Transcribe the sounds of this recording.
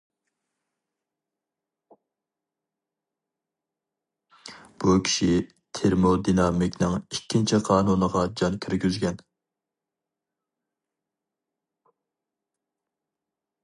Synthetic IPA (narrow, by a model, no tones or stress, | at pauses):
b̥ukʲʰi̥ʃi | t̪ʰeɾmod̪inɑmikʲnɨŋikʲʰːint͡ʃʰiqʰɑːnunəʁɑd͡ʒɑnkʲʰyɾɡʲyzɡʲɛn